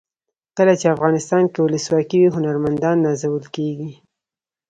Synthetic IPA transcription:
kəlat͡ʃeafɣɑnɪst̪ɑnkewʊləswɑkiwiɦʊnaɾmand̪ɑnːɑzawəlkeɡi

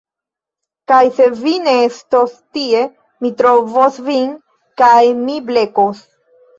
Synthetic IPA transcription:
kajse̞vineestostie | mit̪ɾovosvin | kajmible̞kos

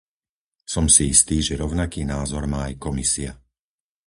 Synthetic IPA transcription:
sɔmsiist̪iːʒɛɾɔʊnakiːnaːzɔɾmaːajkɔmisia

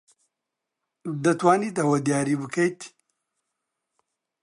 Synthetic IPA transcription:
d̪ɐt̪waːnid̪awɐd̪jaːɾibɨkajt̪ʰi̥

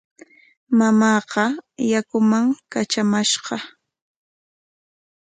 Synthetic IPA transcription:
mamɑːqɑjakʊmaŋkat͡ʃamaʃɢɑ

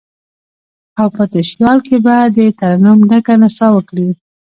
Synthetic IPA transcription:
awpət̪əʃjɑlkebɑjad̪ːət̪aɾanumnakanasɑwəkɽi

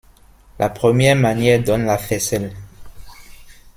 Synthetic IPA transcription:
lʔa̰pχəmjɛʁmanjɛʁd̪ɔnlafɛsɛl

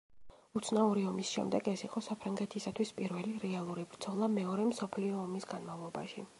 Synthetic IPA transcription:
ut̪sʰnauɾiɔmisʃɛ̰md̪ɛɡɛsiqʼɔsapʰɾaŋɡɛt̪ʰisat̪ʰwispʼiɾvɛliɾɛalˠuɾibɾd̪z̥ʰɔlˠamɛɔɾɛmsɔpʰliɔːmisɡanmavlˠɔba̰ʃi

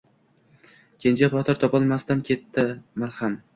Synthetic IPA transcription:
kʲʰent͡ʃʰapʰɒt̪ʰɪɾt̪ʰɒpɒlˠmast̪ankʲʰe̞t̪ːɪmaɾham

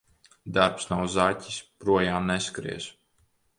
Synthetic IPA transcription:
d̪aɾpsnawzaːcʲi̥spɾuɔjaːmneskɾḭɛz̥

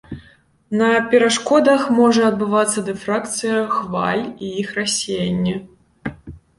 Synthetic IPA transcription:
nɐpʲɛɾaʂkɔd̪ɐxmɔʐɐɐd̪̚bɨvat̪sːɐd̪ɛfɾak̚t̪sɨjɐxva̰lʲiixrasʲejanʲːɛ

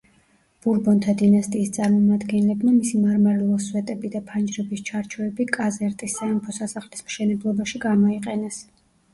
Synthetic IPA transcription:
b̥uɾbɔnt̪ʰad̪inast̪ʼiːst̪sʼaɾmɔmad̪ɡɛnlɛbmamisimaɾmaɾɛlˠɔswɛt̪ʼɛbid̪apʰand͡ʒɾɛbist͡ʃʰaɾt͡ʃʰuɛbikʼazɛɾt̪ʼisːaɛmpʰɔsasaχlismʃɛnɛblˠɔbaʃiɡamɔiqʼɛnɛs

